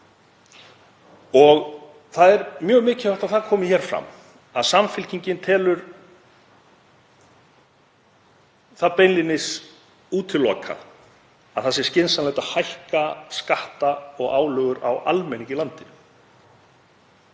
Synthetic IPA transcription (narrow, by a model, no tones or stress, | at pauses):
ɔɣ | θaðɛɾmjœːɣmɪːcɪaht̪awθaðkʰɔːmɪçɛːɾ̥fɾa̰m | aðsamfɪlcʰiɲcɪnt̪ʰɛːlʏɾ | θaðpejnlɪnɪs | uːt̪ʰɪlːɔ̰ːkʰa̰ | aðθas̬ɪ̥scɪnsanlajt̪ahajhkaskaht̪aɔɣaːwlœːɣʏɾa̰wʔa̰lmɛjniɲcɪlant̪ɪ